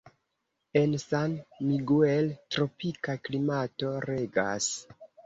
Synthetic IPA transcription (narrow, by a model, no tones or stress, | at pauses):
e̞nsanmiɡueltɾo̞pikaklimato̞ɾe̞ɡa̰s